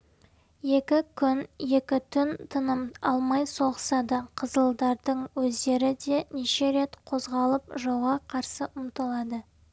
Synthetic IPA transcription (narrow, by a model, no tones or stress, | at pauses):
je̞kʲɪkʲʰʏnje̞kʲɪt̪ʰʏnt̪ʰənəmɑlˠmɑjso̞ʁəsɑd̪əqʰəzəlˠd̪ɑɾd̪əɴwɵzd̪e̞ɾɪd̪e̞neʃe̞ɾe̞t̪qʰo̞zʁɑlˠəp̚ʒowʁɑqʰɑɾsəʔʊmt̪əlˠɑd̪ə